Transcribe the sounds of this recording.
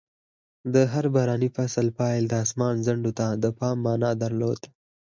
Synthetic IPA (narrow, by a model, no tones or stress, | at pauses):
d̪əɦaɾbaɾɑnifasəlpɑjld̪əɑsmɑnzaɳɖot̪ad̪əpɑmːɑːnɑd̪aɾlod̪